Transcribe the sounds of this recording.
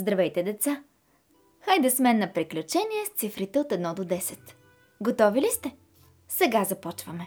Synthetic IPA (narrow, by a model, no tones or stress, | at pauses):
zd̪ɾɐvɛjt̪ɛd̪ɛt̪sa | xajd̪ɐsmɛnːɐpɾiklʲut͡ʃɛniɛst̪sifɾit̪ɛot̪ɛd̪nɔd̪od̪ɛsɛt̪ | ɡot̪ɔvilist̪ɛ | sɛɡazɐpɔt͡ʃvɐmɛ